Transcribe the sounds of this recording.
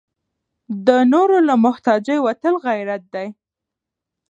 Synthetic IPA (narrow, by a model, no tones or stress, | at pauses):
d̪ənoɾolamʊht̪ɑd͡ʒəjwat̪əlɣajɾat̪̚d̪aj